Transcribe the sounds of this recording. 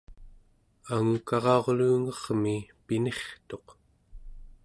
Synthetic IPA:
aŋukɑʁɑo̞ʁluːŋʌʁmipine̞χt̪o̞q

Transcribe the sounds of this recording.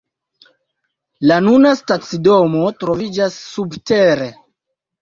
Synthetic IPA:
lanunastat͡sidomo̞tɾo̞vid͡ʒasːubteɾe̞

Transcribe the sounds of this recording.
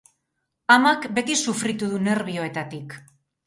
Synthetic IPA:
amakbe̞t̪isufɾit̪uðune̞ɾβ̞io̞e̞t̪at̪ik

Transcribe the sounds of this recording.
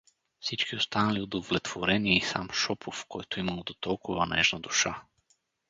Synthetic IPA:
fsit͡ʃkiost̪analiod̪ovlɛt̪vɔɾɛniɛisa̰mʃɔpʰɔfkɔjt̪ɔimalˠd̪ot̪ɔlˠkuvanɛ̰ʒnad̪uʃa

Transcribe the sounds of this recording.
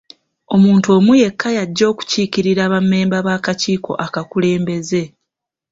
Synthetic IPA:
o̞muːntuo̞ːmuje̞kːajaɟːo̞ːku̥ciːkiɾiɾaːβamːe̞ːmbaβaːkaciːko̞̰ʔakakule̞ːmbe̞ze̞

